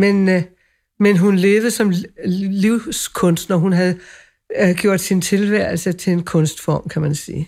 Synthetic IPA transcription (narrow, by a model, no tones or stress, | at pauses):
men | menɦunle̝ːð̩əsɒ̽mliʊ̰skʰɔ̽nsd̥nɒɦunɦæðˠ | ɡ̥jo̝ɐ̰d̥sint͡sʰe̝lʋæɐ̰l̩sət͡sʰe̝lenkʰɔ̽nsd̥fɒːmkʰæmænsḭː